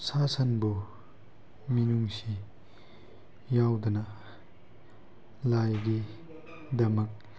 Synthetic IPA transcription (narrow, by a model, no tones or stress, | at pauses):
sasɐnbu | minuŋsi | jawdunɐ | lajɡi | dɐmɐk̚